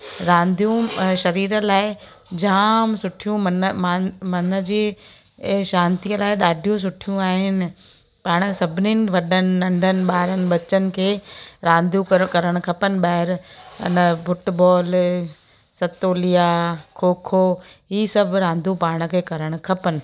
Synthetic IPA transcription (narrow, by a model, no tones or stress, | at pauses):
ɾãːnd̪ʱijũʃɐɾiːɾə̆laːɪ | d͡ʑaːmsʊʈʰijũmɐnmaːmɐnə̆d͡ʑiː | ʃãːnt̪ijəlaːɪɗaːɖʱijũs̬ʊʈʰijũaːɦɪnɪ̆ | paːɽ̃ə̆sɐbʱɪninɪ̆ʋɐɗənɪ̆nɐ̃ɳɖʱənɪ̆ɓaːɾənɪ̆ɓɐt͡ɕənɪ̆kʰeːɾãːnd̪ukɐɾəɽ̃kʰɐpənɪ̆ɓaːɦɪɾɪ̰nəfʊʈbɔːl | sɐt̪oːlijakʰoːkʰoːiːsɐbʱɾãːnd̪ʱupaːɽ̃ə̆kʰeːkɐɾəɽ̃ʊ̆kʰɐpənɪ̆